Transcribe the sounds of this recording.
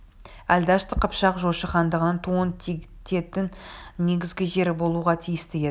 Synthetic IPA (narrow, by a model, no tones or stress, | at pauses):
æld̪ɑʃt̪əqʰəpʃɑqʒoʃɑχɑnd̪əʁənənt̪ʰuənt̪t̪ʰe̞t̪ːɪŋne̞ɡʲɪzɡʲɪʒe̞ɾbo̞lˠuʁɑt̪ʰijɪst̪ɪe